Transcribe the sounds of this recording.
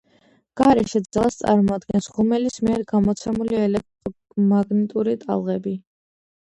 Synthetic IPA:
ɡ̥aɾɛʃɛd̪zɛlˠast̪sʼa̰ɾmɔad̪ɡɛnsʁumɛlismiɛɾɡamɔt̪sʰɛmuliɛlɛk̚t̪ʼ | maɡnɛt̪ʼuɾit̪ʼa̰lˠʁɛbi

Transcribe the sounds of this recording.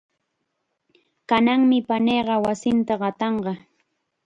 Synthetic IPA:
kanaŋmɪpaneːɢɑwasɪnt̪aɢɑt̪ɑɴɢɑ

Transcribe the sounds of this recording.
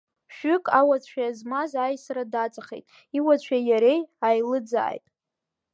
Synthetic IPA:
ʃᶣʏkʼawat͡sʷʰᶣaazmazajsradat͡sʼaχejtʼ | iwat͡ɕʷʰᶣajaɾe̞jajlɨd͡za̰ːjtʼ

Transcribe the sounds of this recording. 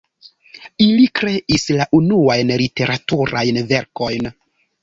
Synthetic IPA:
ilikɾe̞ʔislaʔunuajnlite̞ɾʔatuɾajnve̞ɾko̞jn

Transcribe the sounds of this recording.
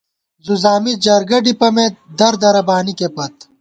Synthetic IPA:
zuzaːmid͡ʑɐɾɡɐɖipɐmẽd̪ɐɾd̪ɐɾɐbaːnikepɐt̪

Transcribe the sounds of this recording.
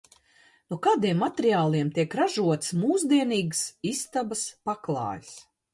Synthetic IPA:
nukaːd̪iɛmːat̪ʲeɾiaːlˠiɛmt̪iɛkɾaʒuɔt̪smuːzd̪iɛniːɡsist̪abaspaklˠɑ̰ːjs

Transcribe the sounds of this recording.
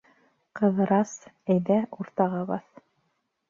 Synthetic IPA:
qɤ̆ðɤ̆ɾɑsæjðæuɾt̪ɑʁɑβɑθ

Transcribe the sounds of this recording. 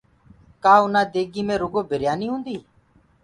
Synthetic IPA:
kaːʊnãːd̪eːɡiːmẽːɾʊɡoːbʱɪɾɪjaːniːɦũːnd̪iː

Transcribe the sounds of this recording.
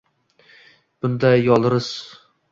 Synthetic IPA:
b̥ʊnd̪ajɒlˠɾɪz̥

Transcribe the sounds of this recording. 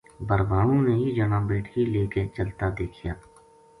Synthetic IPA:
bəɾbaːɽõneɦid͡ʒənabeːʈʰileːket͡ʃəlt̪ad̪eːkʰijaː

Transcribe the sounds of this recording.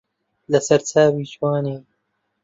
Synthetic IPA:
lɐsɐɾt͡sʰaːwiːt͡ʃwaːneː

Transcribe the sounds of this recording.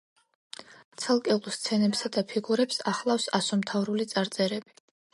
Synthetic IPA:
t̪sʰalˠkʼɛulˠst̪sʰɛnɛpsad̪apʰiɡuɾɛpsaχlˠafsasɔmt̪ʰavɾulit̪sʼaɾt̪sʼɛɾɛbi̥

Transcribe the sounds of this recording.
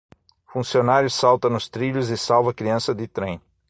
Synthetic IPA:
fũsionaɾjʊsawt̪ɐnʊst̪ɾiʎʊzɪsawvɐkɾiɐ̃sɐd̪ɪt̪ɾẽj̃

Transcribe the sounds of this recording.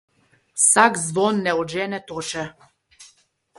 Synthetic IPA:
saɡzvɔnːɛɔd͡ʒɛnɛt̪ɔʃɛ

